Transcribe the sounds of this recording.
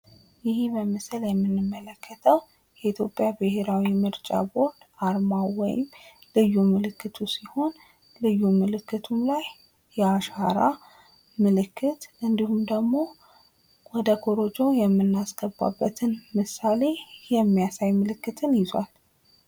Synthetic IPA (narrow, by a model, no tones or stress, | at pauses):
jɪhibəmɨsɨljɛmːɨnːɨmːələkːət̪ʰəw | jɛit̪ʰjo̞pʼjabɨhe̞ɾawimɨɾt͡ʃʼa̰bo̞ɾd̪aɾmawɔ̰jɪ̰m | lɨjːumɨlɨkːɨt̪ʰusiho̞n | lɨjːumɨlɨkʰːɨt̪ʰumlajː | ɛaʃaɾa | mɨlɨkʰːɨt̪ʔɨnd̪ihumd̪əɡmo̞ | wɔd̪əkʰoɾo̞d͡ʒɛwjɛmːɨnːasɡ̥əbːa̰bːət̪ʰɨnmɨsale̞jɛmːijasajmɨlɨkːɨt̪ʰɨnjɪza̰l